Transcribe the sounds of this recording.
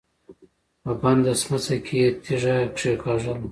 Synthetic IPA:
pəband̪asmat͡sakʰejet̪ʰiʒakʂekʰɑʒəl

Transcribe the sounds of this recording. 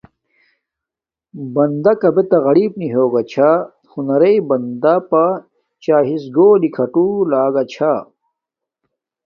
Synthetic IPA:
bɐnd̪ɐkɐbet̪ɐɣɐɽiːbniɦoːɡɐt͡ɕʰa | hunɐɾɐibɐnd̪apa | t͡ɕaːɦisɡoːlikʰɐʈulaːɡɐt͡ɕʰa

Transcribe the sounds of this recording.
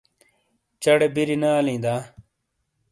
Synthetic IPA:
t͡ɕɐɽebiɾinaːlĩːd̪aː

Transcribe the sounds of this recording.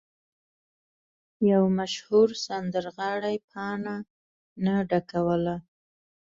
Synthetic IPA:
jawmaʃhuɾsand̪əɾɣɑɽajpʰɑna | naɖakawəla

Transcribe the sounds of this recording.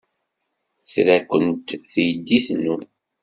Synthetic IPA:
θɾækʷənt̪θjəd̪ːiθnu

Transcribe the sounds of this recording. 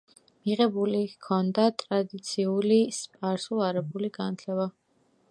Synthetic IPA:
miʁɛbulikʰɔnd̪at̪ʼɾad̪it̪sʰiulispʼaɾsuaɾɛbuliɡanat̪ʰlɛba

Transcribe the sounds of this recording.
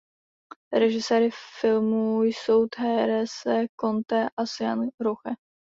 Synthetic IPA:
ɾɛʒɪsɛːɾɪfɪlmujso̞wt̪ɦɛːɾɛsɛkont̪ɛʔasja̰nɾoxɛ

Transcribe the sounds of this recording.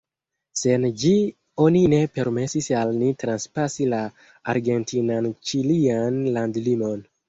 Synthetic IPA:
se̞nd͡ʒi | o̞nine̞pe̞ɾme̞sisalnitɾanspasila | aɾɡe̞ntinant͡ʃilianlandlimo̞n

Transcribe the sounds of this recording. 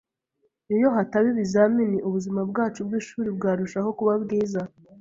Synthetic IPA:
ijo̞ɦataβiβizaminiʔuβuzimabɡaːt͡ʃubɡiːʃuːɾibɡaːɾuʃaɦo̞kuβabɡiːza

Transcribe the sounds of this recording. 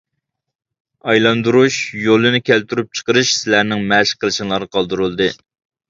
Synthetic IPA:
ɑjlˠɑnd̪uɾuʃjolˠɨnɪkʲʰælt̪yɾyp̚t͡ʃʰə̥qəɾɨʃsɪlæɾnɪŋmɛʃqʰəlˠɨʃiŋlˠɑɾnəqʰɑlˠd̪uɾulˠd̪ɨ

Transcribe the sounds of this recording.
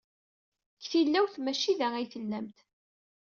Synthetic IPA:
çθilːæwθmæʃiðææjθəlːæmt̪

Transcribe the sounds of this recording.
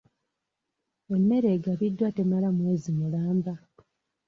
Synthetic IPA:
e̞mːe̞ɾe̞ɡaβidːwate̞malamweːzimulaːmba

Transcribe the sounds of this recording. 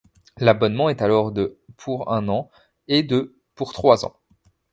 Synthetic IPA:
labɔnmɑ̃ɛt̪alɔʁd̪əpʰuʁɛ̃nɑ̃ | ed̪ə | puʁt̪χwazɑ̰̃

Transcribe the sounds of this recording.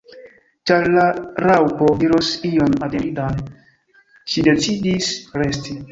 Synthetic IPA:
t͡ʃaɾlaɾawpodiɾosionadeɾidan | ʃide̞t͡sidisɾesti

